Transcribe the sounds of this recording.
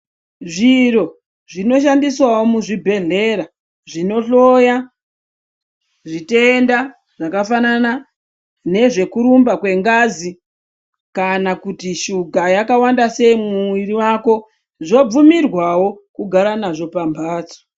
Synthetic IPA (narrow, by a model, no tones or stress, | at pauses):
ʐiro̞ | ʐino̞ʃandiswawomuʐibʱe̞ɮe̞ɾa | ʐino̞ɬo̞ja | ʐite̞nda | ʐakafanana | ne̞ʐe̞kuɾumbakwe̞ŋɡaːzi | kanakutiʃuɡʱajakawandase̞imuwiriwako̞ | ʐo̞b͡vumirwawo̞kuɡʱaɾanaʐo̞pambʱaːt͡so̥